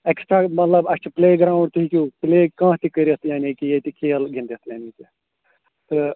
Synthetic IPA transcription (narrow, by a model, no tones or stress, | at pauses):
eksʈɾaːmɐt̪lɐbɐst͡ʃʰipleːɡɾaːwɳɖt̪ɨɦikupleːkãːt̪ikəɾit̪ʰjanikijet̪ikʰeːlɡʱĩnd̪it̪ʰjaːniki | t̪ɨ